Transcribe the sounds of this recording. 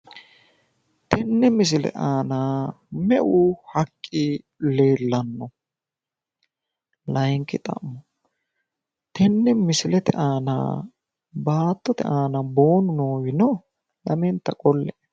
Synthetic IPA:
t̪ɛnːɛmɪs̬ɪlɛ̰ʔaːnaː | mɛʔuhɐkʼːɪ | le̞ːlːɐnːɔ | lɐjŋkːɪt̪ʼɐ̰mmːɔ | t̪ʰɛnːɛmɪsɪlɛt̪ɛʔaːna̰ː | baːt̪ːɔt̪ɛ̰ʔaːnɐbo̞ːnʊnoːwɪnɔ | lɐmɛnt̪ːɐkʼɔlːɛʔ

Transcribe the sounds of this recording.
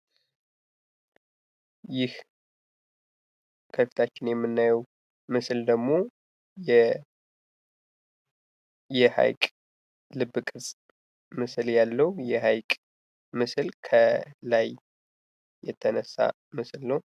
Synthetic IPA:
jɪh | kʰəfi̥t̪ʰat͡ʃːɪnjɛmːɨnːajɛw | mɨsɨld̪əɡmo̞ | jɛ | jɛha̰jkʼ | lɨbːɨkʼɨɾsʼ | mɨsɨljalːəwjɛhajkʼ | mɨsɨlkʰəlajː | ɛt̪ʰːənəsːa̰ | mɨsɨlnəw

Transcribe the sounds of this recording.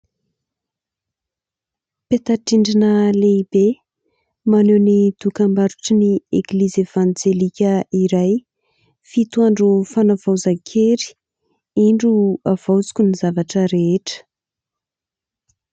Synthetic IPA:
pet̪aʈ͡ʂiɳɖ͡ʐinəleibe | manenid̪̥ukambaɾuʈ͡ʂinieklizevand͡zelikʲəiɾaj | fit̪uaɳɖ͡ʐufanavawzakʲʰeɾi̥ | iɳɖ͡ʐuav̥awt͡si̥kʲunizavaʈ͡ʂəɾeeʈ͡ʂə̥

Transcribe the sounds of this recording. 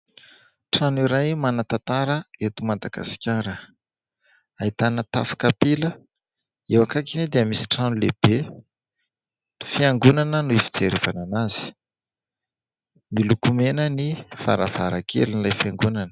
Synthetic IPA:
ʈ͡ʂaniɾajmanat̪at̪aɾəet̪umad̪aɡa̰si̥kʲaɾə | ait̪anət̪afḁkapilə | ewakakined̪eəmisi̥ʈ͡ʂanuleb̥e | ifiaŋɡunanənuifi̥t͡seɾevananazi̥ | milukumenənifa̰ɾavaɾakʰḛlinilajfiaŋɡunanə̥

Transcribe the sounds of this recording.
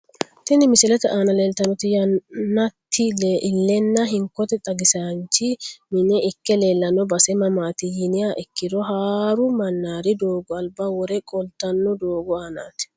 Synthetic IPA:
t̪ɪnɪmɪsɪlɛt̪ɛʔaːnɐleːlt̪ɐnɔt̪ɪjɐnːɐt̪ʰːɪlʔlːɛnːɐɦɪŋkːɔt̪ɛt̪ʼɐɡɪsant͡ʃːɪmɪnɛʔɪkːɛleːlːɐnːɔbɐsɛmɐmaːt̪ɪjɪnɪjaːʔɛkːɪd̪ɔɦaːɾʊmɐnːaːɾɪd̪oːɡɔɐlbaːwɔɾɛkʼɔlt̪ɐnːɔd̪oːɡɔaːna̰ːt̪ɪ̥

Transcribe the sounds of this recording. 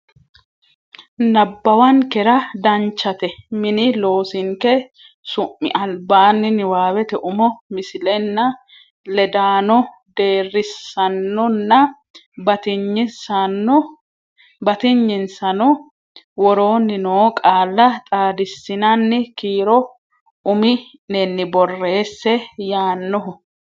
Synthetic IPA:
nɐbːɐwɐŋkɛɾɐd̪ɐnt͡ʃːɐt̪ɛmɪnɪlo̞ːsɪŋkɛ | sʊʔːɪ̰ʔɐlbaːnːɪnɪwaːwɛt̪ɛʔʊmɔmɪsɪlɛnːɐ | lɛd̪aːnɔ | d̪eːrːɪsːɐnːɔnːɐ | bɐt̪ɪɲːɪnsɐnːɔ | bɐt̪ɪɲːɪnsɐnɔ | wɔɾo̞ːnːɪnoːkʼaːlːɐt̪ʼaːd̪ɪsːɪnɐnːɪkiːɾɔ | ʔʊmɪ | nɛnːɪbɔrːe̞ːsːɛjaːnːɔɦʊ

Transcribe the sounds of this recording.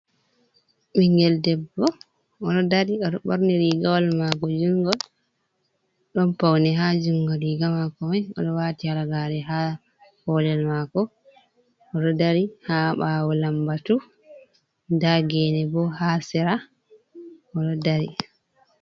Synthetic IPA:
ɓiŋɡɛldɛbːɔ | ɔɗɔdaɾiɔɗɔɓɔɾniɾiɡawalmakɔd͡ʒuŋɡɔl | ɗɔnpawnɛɦad͡ʒuŋɡɔliɡamakɔmɛjɔ̰ɗɔwaːtialaɡaɾɛɦa | hɔːlɛlmakɔ | ɔɗɔdaɾihaɓawɔlambatu | daɡɛnɛbɔhasɛɾa | ɔɗɔdaɾḭ

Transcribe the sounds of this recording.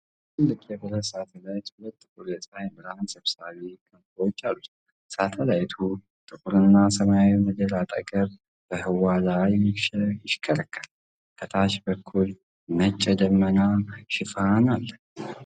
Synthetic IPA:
t̪ʰɨlːɨkʼjɛbɨləsat̪ʰəlajt̪hulət̪ʼːɨkʼuɾəsʼajmɨɾhansəβsaβikʰʼənfwot͡ʃːalːut̪ | sat̪ʰəlajt̪ʰu | t̪ʼɨkʼuɾɨnːasəmajawiməd̪əlat̪ʼə̰ɡʼəɾ | b̥əhɨwalajɪʃjɪʃkʰʼːələkʰːəl | k̪ʰət̪ʰaʃbəkʰːul | mət͡ʃʼːɛd̪əmːənaʃɪfanalːə

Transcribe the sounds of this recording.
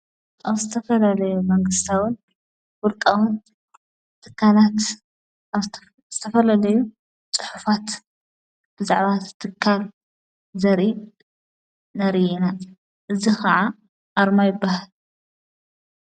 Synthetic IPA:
ʔaβzɨt̪ʰɐfɐlalɐjumɐŋɡɨst̪ʰawɨn | wʊlkʼawun | t̪ʰɨkʰːalat̪ | zɨt̪ʰɐfɐlalɐju | t͡sʼɨ̥ħufat̪ | b̥ɨzaʕβatt̪ʰːɨkʰːal | zɐɾi | nɐɾiʔina | ʔɨzixɐʕa | ʔaɾmajɪbːahal

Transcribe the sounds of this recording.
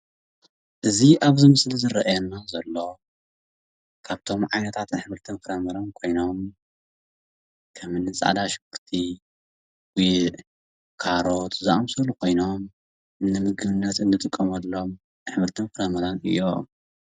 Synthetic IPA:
ʔɨziʔaβzɨmɨslizɨɾɐʔajɛnːazɐlːo̞ | kʰaβt̪ʰo̞mʕajnɐt̪ʰat̪nħβɨɾt̪ʰɐβkʰɨɾɐmɐɾankʰo̞jnom | kʰɐmɨnːɨt͡sʼa̰ʕd̪aʃbɨɾt̪ʰi | wj | kʰaɾot̪zaʔamsɐlukʰo̞jno̞m | ʔɨnːɨmɨɡɨβɨnːɐt̪ɨnd̪ɨt̪ʼɨkʼːɐmɐlːom | ħβɨɾt̪ʰɐkʰɨɾɐmɐɾanɨ̰jːo

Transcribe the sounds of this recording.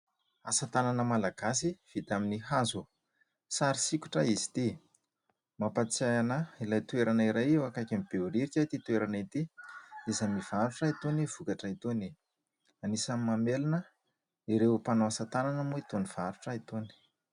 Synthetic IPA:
asat̪ananəmalaɡas̬iv̥it̪aminiɦazu | saɾisikʲu̥ʈ͡ʂəizi̥t̪i | mapat͡sajanailajt̪weɾanaiɾajewakakʲamib̥euɾiɾikʲat̪it̪ueɾanit̪iizamiv̥aɾuʈ͡ʂait̪oniv̥ukaʈ͡ʂait̪oni | anisamimamelinə | iɾewpanoasat̪ananəmuit̪oniv̥aɾuʈ͡ʂəit̪oni̥

